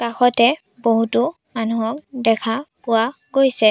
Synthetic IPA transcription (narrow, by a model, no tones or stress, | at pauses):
kaxɔtɛ | boɦutʊ | manuɔk̚dɛkʰapʊwaɡojsɛ